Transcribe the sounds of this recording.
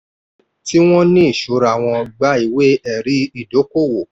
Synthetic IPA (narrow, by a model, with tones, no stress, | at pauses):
ti˦w̃ɔ̃˦nĩ˦i˦˨ʃo˨˦ɾa˨w̃ɔ̃˧ɡ͡ba˦i˨we˦ɛ˨ɾi˨˦i˦˨do˨˦ko˦˨wo˨